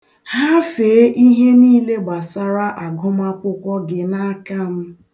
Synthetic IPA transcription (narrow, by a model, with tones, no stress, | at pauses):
ha˦feː˨˦ʔi˦ɦe˦niː˦le˦ɡ͡ba˨sa˦ɾa˦ʔa˨ɡʊ˦m˦a˦kʷʊ˦kʷɔ˦ɡɪ˨na˦ka˦m̩˦